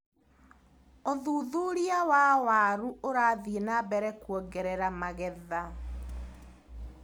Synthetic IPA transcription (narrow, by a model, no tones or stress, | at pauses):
oðuːðuɾiawawaːɾuoɾaːðienabɛɾɛkwɔɡɛɾɛɾamaɣɛða